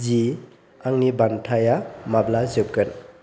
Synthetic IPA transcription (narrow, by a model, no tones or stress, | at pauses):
zi | aŋnibantʰajamablazɯp̚kɯn